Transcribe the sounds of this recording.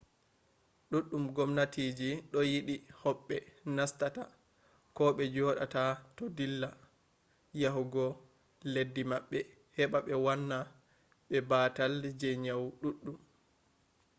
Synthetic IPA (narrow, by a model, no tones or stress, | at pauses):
ɗuɗːumɡɔmnatiːd͡ʒiɗɔjiɗihɔɓːɛnastata | kɔɓɛd͡ʒɔːɗa̰tatɔdilːa | jaɦuɡɔ | ledːimaɓːɛ | hɛɓaɓɛwanːa | ɓɛbatald͡ʒɛɲawɗuɗːum